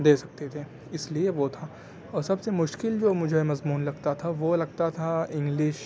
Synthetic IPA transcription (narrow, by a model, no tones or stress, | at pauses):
d̪eːsɐk̚t̪et̪ʰeː | ɪslieʋot̪ʰa | ɔːɾsɐbsemʊʃkɪld͡ʒoːmʊd͡ʒʱemɐzmuːnlɐɡt̪at̪ʰaʋolɐɡ̚t̪at̪ʰaɪ̃ŋɡlɪʃ